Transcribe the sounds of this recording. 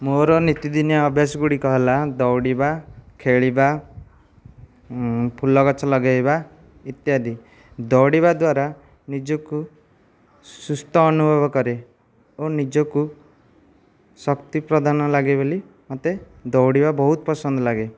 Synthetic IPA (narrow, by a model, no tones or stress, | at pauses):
moɾɔnit̪id̪injaɔbʱjasɔɡuɽikɔɦelad̪ɔwɽibakʰeɭiba | pʰulɔkɔt͡ʃʰɔlɔɡajba | it̪jad̪i | d̪ɔwɽibad̪waɾa | nid͡ʒɔku | sust̪ɔːnubʱɔbɔkɔɾe | onid͡ʒɔku | sɔkt̪ipɾɔd̪ʱanɔlaɡeboli | mɔt̪ed̪ɔwɽibabɔɦut̪ɔpɔsɔnd̪ɔlaɡe